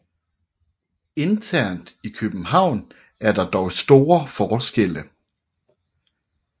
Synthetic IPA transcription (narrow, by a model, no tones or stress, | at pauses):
e̝nt͡sʰæɐ̰nd̥ikʰøb̥m̩ɦɑ̈ʊ̰n | æɐd̥ɑ̈d̥ɒʊsd̥o̝ːɐfɒːsɡ̥el̰ə